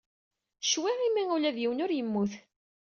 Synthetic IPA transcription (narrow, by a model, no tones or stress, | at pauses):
ʃwiʁimiŋulæðjiwənʊɾjəmːuθ